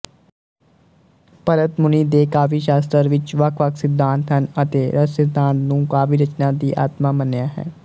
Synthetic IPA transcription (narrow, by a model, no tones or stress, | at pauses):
pəɾət̪mʊniːd̪eːkaːfiːʃaːst̪əɾʋɪt͡ʃʋəkʰʋəkʰsɪd̪ãːnt̪ɦənət̪eːɾəsɪd̪ãːnt̪nũːkaːfiːɾət͡ʃnãːd̪iːʔa̰ːt̪maːmənjaːɦɛ̰ː